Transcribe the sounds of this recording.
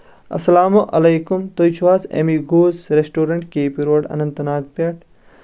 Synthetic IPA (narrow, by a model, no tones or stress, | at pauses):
ɐ̰sɐlaːmoʔɐ̰lejkumt̪ojt͡ʃʰuʋaːsḛmiɡoːzɾesʈoːɾɐɳʈkeːpiɾoːɖɐ̰nɐnt̪ɐnaːɡ̚pɐʈ